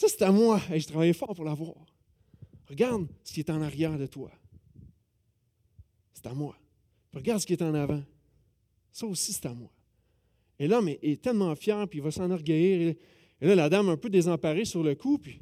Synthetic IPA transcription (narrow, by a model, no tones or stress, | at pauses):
sʌse̥t̪amwaɛʒət̪ʁavajɛfɑːʁpuʁlavwaːʁ | ʁəɡaʁd̪sə̥kʲet̪ɛɑ̃naʁjɛːʁd̪ət̪wa̰ | se̥t̪amwa | ʁəɡaʁd̪sə̥kiet̪ɛɑ̃navã | sʌosise̥t̪amwa | elʌmɛʔɛt̪ɛlmɑ̃fjɛːʁpiːvʌsɑ̃nɔʁɡʲəjiːʁe | elʌlad̪amɛ̃pød̪ezɑ̃paʁesyʁləkʰupɥi